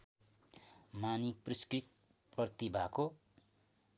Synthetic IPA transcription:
manipriskrit̪̚ | pʌt̪ibʱako

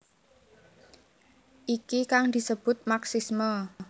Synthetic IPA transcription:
ʔikikaŋd̪̥i̤səb̥ʊt̪̚maksismə

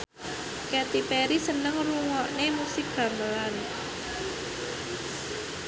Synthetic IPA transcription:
kɛt̪ipɛɾisənəŋruŋɔʔnemusɪk̚ɡ̥ä̤məlan

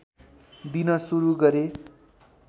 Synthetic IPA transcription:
d̪inʌsuɾuɡʌɾe

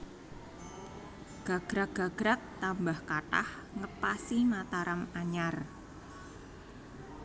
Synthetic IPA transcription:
ɡ̥a̤ɡ̥ɾak̚ɡ̥aɡ̥ɾak̚t̪ambahkaʈa̰h | ŋəpasinat̪aɾamaɲar

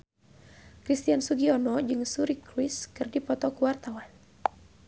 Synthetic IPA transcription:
kɾist̪iansuɡiɔnɔd͡ʒɨŋsuɾikɾwiskɨrdipɔt̪ɔkuwart̪awan

